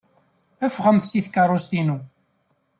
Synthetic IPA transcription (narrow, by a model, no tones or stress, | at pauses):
æfʁəmθsiθkɑrˤːost̪inu